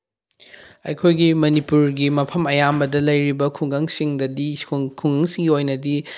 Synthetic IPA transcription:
ɐ̰jkʰojɡimɐnipuɾɡimɐpʰɐmɐjambɐdɐlɐjɾibɐkʰuŋɡɐŋsiŋdɐdikʰuŋɡɐŋsiŋɡiojnɐdi

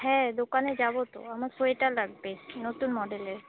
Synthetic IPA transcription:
ɦɛ̃d̪okaned͡ʑabot̪o̰amaɾsoeʈalaɡ̚benot̪unmɔɖeleɾ

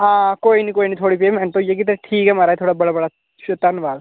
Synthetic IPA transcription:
akojnikoinit̪ʰoɽiːpemɛɳɖt̪ojek̬it̪əɾʈʰiːkɛmaɾajt̪ʰoɽabəɭbəɭa | ɕut̪anʋal

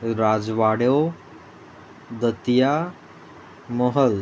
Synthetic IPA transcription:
ɾad͡zʋaɽjo | d̪ət̪ja | moɦəl

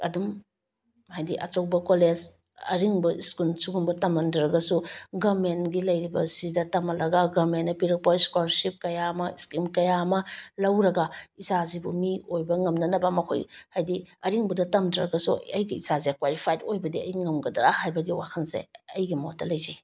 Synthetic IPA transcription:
ɐ̰dum | hajdiʔɐ̰t͡ʃowbɐkolez | ɐ̰ɾiŋbɐiskulnsuɡumbɐtɐmɐndɐɾɐɡɐsuɡɐɾmenɡilɐjɾibɐzidɐtɐmɐlɐɡɐɡɐɾmenːɐpiɾipojskwaɾsip̚kɐjamɐiskimkɐjamɐlɐwɾɐɡɐisazibumiojbɐŋɐmnɐnɐbɐmɐkʰo̰jhajdiɐɾiŋbɐdɐtɐmdɐɾɐɡɐsuɐjɡiizaziakwaɾipʰajtojbɐdiɐ̰jŋɐmɡɐdɐhajbɐɡiwakʰɐnsḛɐjɡimot̚dɐlɐjze

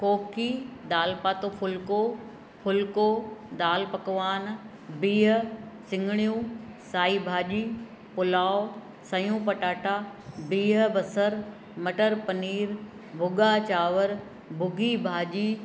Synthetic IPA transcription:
koːkid̪aːlpaːt̪opʰʊlko | pʰʊlkod̪aːlpɐkʋaːn | biːɦsɪ̃ŋɡʱɽ̃jũsaːibʱaːʄiː | pʊlaːo | sɐjũːpɐʈaːʈaːbiːɦə̆bɐsəɾ | mɐʈəɾpɐniːɾbʱʊɡat͡ɕaːʋəɾ | bʱʊɡibʱaːʄiː

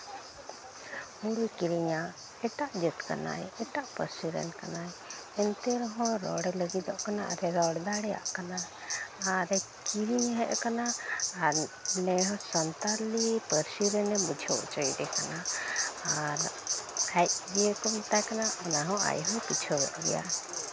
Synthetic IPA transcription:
huɾukiɾiɲa | ɛʈaʔd͡ʒət̪ka̰na̰jɛʈaʔpəɾsiɾɛ̰nkanaj | ɛnt̪ɛɾɔɦɔ̃ɾɔ̰ɽɛləɡid̪ɔʔkana̰ʔa̰ɾɛɾɔɽd̪aɽɛja̰ʔkanaː | ɾɛ | kiɾiɲɦɛʔkanaːɾnɛɦɔ̃sɔnt̪aɾlipəɾsiɾɛnɛbud͡ʒʱɔ̰ʔt͡ʃəjɖɛkana | aɾ | ajʔbiɛkɔmt̪akanaɔnaɦɔ̃a̰jɦɔ̃kit͡ʃʰubɛ̰ʔ̪ɡɛ̰ja̰

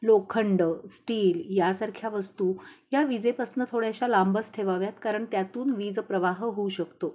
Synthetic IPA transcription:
lokʰəɳɖəsʈiːljasaɾkʰjaʋəst̪uːjaʋid͡zepəsnət̪ʰoɽjaɕalambəsʈʰeʋaʋjat̪kaɾəɳt̪jat̪uːnʋid͡zpɾəʋaɦəɦouɕəkt̪o

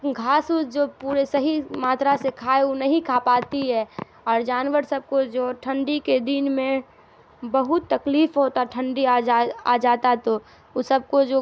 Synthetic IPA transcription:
ɡʱaːsud͡ʒoːpuːɾesɐɦimaːt̪ɾasekʰaːeunɐɦĩkʰaːpaːt̪iɦɛ | ɔːɾd͡ʒaːnʋəɾsɐb̚kod͡ʒoːʈʰə̃ɳɖiked̪iːnmẽ | bɐɦʊt̪ːɐkliːfɦoːt̪aʈʰə̃ɳɖiad͡ʒaa̰ːd͡ʒaːt̪at̪o | sɐb̚kod͡ʒoː

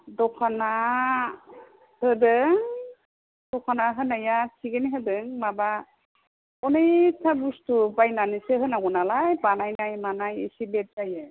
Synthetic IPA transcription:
dɔkʰana | hɯdɯŋ | d̥ɔkʰanaɦɯnajasʰiɡeniɦɯdɯŋmaba | ɔnejtʰabustubajnanisɯɦɯnaɡɔnalajbanajnajmanajisilet̚zajɯ

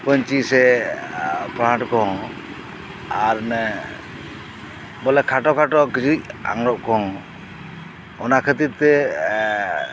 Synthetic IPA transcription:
kɔɲt͡ʃisɛ | pɾãʈkɔŋ | aɾnɛ | bɔlɛkʰaʈɔkʰaʈɔkid͡ʒuc̚a̰ŋɾɔʔ̚kɔŋ | ɔnakʰət̪it̪̚t̪ɛ

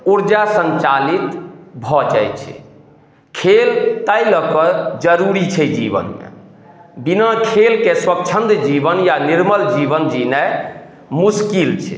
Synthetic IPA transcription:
uɾd͡ʒasə̃nt͡ʃalit̪bʱɔd͡ʒa̰jt͡ʃʰɛ̰ | kʰelt̪əjləkəd͡ʒəɾuɾit͡ʃʰɛd͡ʒḭbə̰nmḛ | binakʰelkeswəkt͡ʃʰə̃nt̪d͡ʒibənjaniɾməld͡ʒibənd͡ʒinɛ | muskilt͡ʃʰɛ̰

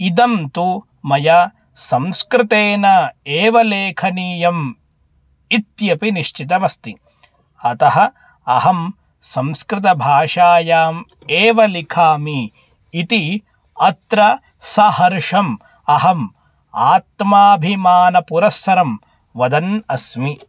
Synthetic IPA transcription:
id̪ɐmt̪u | mɐjɐ | sɐmskɾɪt̪eːnɐeːʋɐleːkʰɐniːjɐm | it̪jɐpiniʃt͡ʃit̪ɐʋɐst̪i | ɐt̪ɐɦɐ̆ | ɐɦɐm | sɐmskɾɪt̪ɐbʱaːʂaːjaːm | eːʋɐlikʰaːmiː | t̪i | ɐt̪ɾɐ | sɐhɐɾʂɐm | ɐɦɐm | aːt̪maːbʱimaːnɐpuɾɐsːɐɾɐm | ʋɐd̪ɐnɐsmi

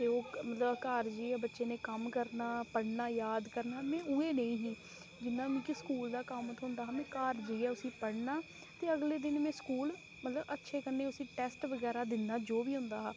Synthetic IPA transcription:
t̪eːoːmət̪ləbkaːɾd͡ʒiːɛːbətːʃeːnẽːkəmkəɾnaːpəɽnaːjaːd̪kəɾnaːmɛ̃ːueːnəĩːɦĩː | d͡ʒɪnːãːmɛ̃ːkɪskuːld̪aːkəmət̪ʰɦʊ̃nd̪aːɦaːmɛ̃ːkaːɾd͡ʒiːɛːʊsĩːpəɽnaː | t̪eːəɡleːd̪ɪnmɛ̃ːskuːl | mət̪ləbətːʃʰeːkəneːʊsĩːʈɛːsʈʋəɡɛːɾaːd̪ɪnːaːd͡ʒoːʋiːɦʊ̃nd̪aːɦaː

